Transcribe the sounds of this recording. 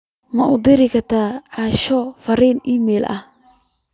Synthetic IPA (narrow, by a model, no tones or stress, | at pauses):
mɐʔʊd̪ɪɾɪkʰɐt̪ʰaːʕɑːʃɔfɐriːnimɛːlʔɐ̰h